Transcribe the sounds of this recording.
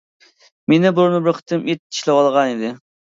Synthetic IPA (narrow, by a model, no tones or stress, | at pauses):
menɪblˠʊɾnɨbɪɾqʰə̥t̪ʰːɨmit̪̚i̥ʃlˠɛwɑlˠʁɑnid̪ɪ